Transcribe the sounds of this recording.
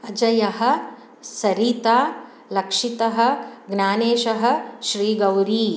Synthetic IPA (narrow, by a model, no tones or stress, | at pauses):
ɐd͡ʒɐjɐɦɐ̆ | sɐɾit̪aː | lɐkʂit̪ɐɦɐ̆ɡnaːneːʃɐɦɐ̆ʃɾiːɡɐwɾiː